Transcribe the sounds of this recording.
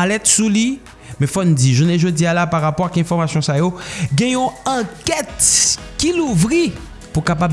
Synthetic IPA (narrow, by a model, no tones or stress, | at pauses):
alɛt̪suli | mɛ̃fɔnd͡ziʒuneʒod͡zialapaʁapɔʁakɛ̃fɔʁmasjɔ̃sajoɡɛ̃jɔ̃ɐ̃kɛt̪kiluvʁi | pukapab